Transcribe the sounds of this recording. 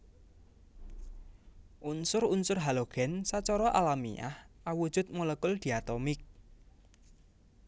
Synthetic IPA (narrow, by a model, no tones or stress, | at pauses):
ʔunsʊrunsʊrɦaloɡ̥ɛ̤nsat͡ʃɔɾɔʔalamḭa̰hʔawud̥ʒ̥ʊ̤t̪̚moləkʊld̪̥iat̪ɔmɪk̚